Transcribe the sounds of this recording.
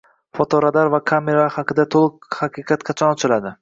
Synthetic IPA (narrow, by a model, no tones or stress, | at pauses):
fɒt̪ʰɒɾad̪aɾvakʰameɾahaqʰɨd̪at̪ʰolˠɨqhaqʰɨqʰɑt̪qʰɑt͡ʃʰɒnɒt͡ʃʰɪlad̪ɪ